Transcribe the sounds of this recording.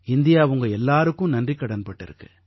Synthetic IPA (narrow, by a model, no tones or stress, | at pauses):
ɪnd̪ɪjaːʊŋɡɐɛlːaːɾɯkːʊ̃nɐndrikːɐɽɐnpɐʈːɪ̰ɾɯkːɯ